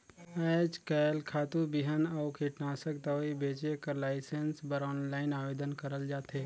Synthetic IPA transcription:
əːd͡ʒkɛlkʰaːt̪ubiɦənɔːkʰiʈnaːsəkd̪əʋibeːt͡ʃekəɾlaːɪsensbəɾɔːnlaːɪnaːʋeːd̪ənkəɾəld͡ʒaːt̪eː

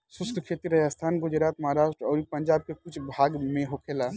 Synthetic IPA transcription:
sʊsk̪ʰkʰet̪iɾɐjast̪ʰaːnɡʊd͡ʒɾaːt̪məɦaɾaːʃʈɾɔːɾipəɲd͡ʒaːb̚kekʊt͡ʃʰbʱaːɡmẽɦokʰeːla

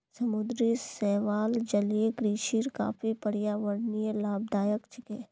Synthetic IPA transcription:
sɐmʊd̪ɾisɛːʋaːld͡ʒɐljeɡɾiːʃiɾka̰ːfʰipɐɽijaʋəɾnijelaːb̚d̪aːjəkt͡ʃɪkeː

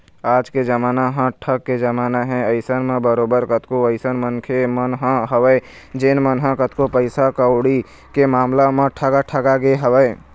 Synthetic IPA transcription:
aːd͡ʒked͡ʒəmaːnaɦə̃ʈʰəkːed͡ʒəmaːnaɦɛ̃əɪsənmẽbəɾoːbəɾkət̪koəɪsənmənkʰemənɦə̃ɦəʋəe | d͡ʒenmənɦə̃kət̪kopəɪsakəoɽi | kemaːmlamẽʈʰəɡaʈʰəɡaɡeɦəʋəe

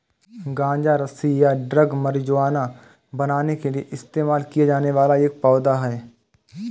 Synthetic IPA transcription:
ɡãːɲd͡ʒaɾɐsijaɖɾɐɡmɐɾd͡ʒʊaːna | bɐnaːnekelieʔɪst̪eːmaːlkijad͡ʒaːneʋaːlaeːk̚pɔːd̪aɦɛː

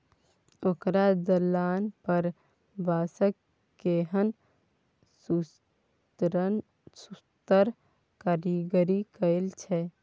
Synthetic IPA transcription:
okɾad̪əlanpəɾ | bʱasək | kːeɦən | su | t̪ | sust̪əɾ | kaɾiɡəɾikəɪlt͡ʃʰɛ

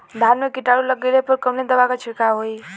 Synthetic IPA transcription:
d̪ʱanmekiʈaɽuləɡelepəɾkəmned̪əbakat͡ʃʰiɽkaɦoi

